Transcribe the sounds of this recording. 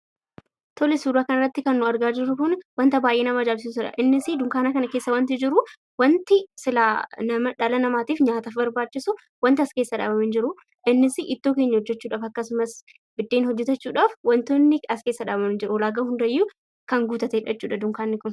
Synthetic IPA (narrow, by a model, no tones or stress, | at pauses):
t̪ɔlɛsuːɾaːkɐnɐrːɐt̪ːɪkɐnːʊɐɾɡaːd͡ʒɪɾːʊkʊnwɐnt̪ɐbaːjʔeːnɐmɐːd͡ʒaːls̬is̬ʊᶑɐ̰ʔɪnːɪsɪd̪ʊŋkaːnɐkɐnɐke̞ːsːɐwɐnt̪̬ɪd͡ʒɪɾʊ | wɐnt̪ɪsɪlaːnɐmɐᶑɐlɐnɐmaːt̪iːfɲaːt̪afbɐɾbaːt͡ʃːɪsʊ | wɐnt̪ɪɐske̞ːsːɐᶑa̰ːbɐmɪnd͡ʒɪɾʊ | ʔɪnːɪsɪʔɪt̪ːoːke̞ːɲːɐhɔd͡ʒːɛt͡ʃːuːᶑaːfɐkːɐsʊmɐs | bɪd̪ːe̞ːnhɔd͡ʒːɛt̪ɐt͡ʃːuːᶑaːfwɐnt̪onːɪɐskeːsːɐᶑaːbɐmɪnd͡ʒɪɾʊɔlaːɡɐhʊnd̪ɐjːʊ | kɐŋɡuːt̪ɐt̪eːᶑɐt͡ʃːuːᶑɐd̪ʊŋkaːnːɪkʊn